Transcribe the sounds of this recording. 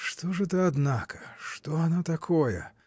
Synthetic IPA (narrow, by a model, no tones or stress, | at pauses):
ʂt̪ɔʐɛt̪ɐad̪nakɐ̥ʂt̪ɔanat̪akʰɔjɛ̰